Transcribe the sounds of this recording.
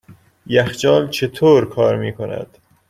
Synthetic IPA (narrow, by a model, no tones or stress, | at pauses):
jæxd͡ʒɒːnt͡ʃʰet̪ʰoːɾkʰɒːɾmiːkʰonæ̰d̪̥